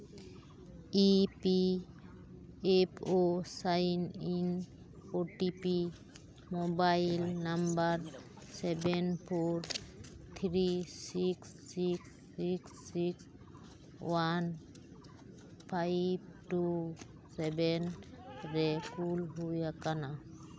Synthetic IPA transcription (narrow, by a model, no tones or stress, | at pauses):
ipi | epʰosajnin | oʈipi | mobajlnambaɾ | sɛbenpʰoɾ | t̪ʰɾisiksːiks | iksːiks | wan | pʰajb̚tu | sɛbɛnɾɛkulɦujakana